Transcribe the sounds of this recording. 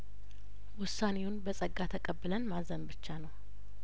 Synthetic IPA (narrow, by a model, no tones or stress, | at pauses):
wʊsːane̞wʊnbəsʼəɡːat̪ʰəkʼəbːɨlənmazənbɨt͡ʃːanəw